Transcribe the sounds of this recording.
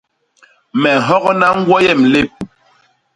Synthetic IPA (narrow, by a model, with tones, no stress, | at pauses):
mɛ˨ɦɔ˦ɣɔ˦na˦ŋ̩˦ɡwɔ˦jɛ˦˨m̩le˦˨p̚